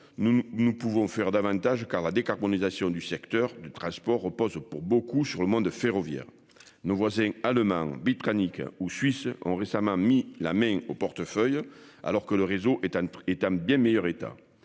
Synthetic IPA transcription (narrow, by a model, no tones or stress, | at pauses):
nunupuvɔ̃fɛʁəd̪avɑ̃t̪aʒəkaʁlad̪ekaʁbɔnizasjɔ̃d̪ysɛkt̪œʁd̪ət̪χɑ̃spɔʁːəpɔzpuʁbokusyʁləmɔ̃d̪feʁɔvjɛ̰ʁ | novwazɛ̃aləmɑ̃bit̪anikusɥisəɔ̰̃ʁesamɑ̃mila̰mɛ̃opɔʁt̪əfœja̰lɔʁkələʁezoʔ̪ɛt̪ɑ̃bjɛ̃mejœʁet̪a̰